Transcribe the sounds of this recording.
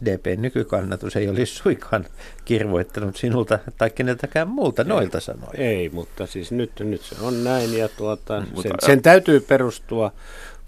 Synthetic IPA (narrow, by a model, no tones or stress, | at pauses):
deːpeːnnykykɑnːɑt̪useiolissuikʰɑːn | kirʋoit̪ːɑnut̪sinult̪ɑt̪ɑikːenet̪ækæmmuːlt̪ɑnoilt̪ɑsɑ̰no̰ieimut̪ːɑsiːsnyt̪nyt̪sḛonnæinjɑt̪uɑt̪ɑsenent̪æyt̪yːperust̪uɑ